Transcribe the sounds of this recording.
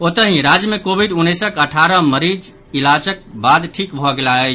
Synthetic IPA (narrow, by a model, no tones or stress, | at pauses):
ot̪əɦĩɾad͡ʒjəmekobʱiɖunːesəkəʈʰaɾəməɾid͡ʒ | ilat͡ʃək̚bad̪ʈʰikbʱɔɡelaɦɛ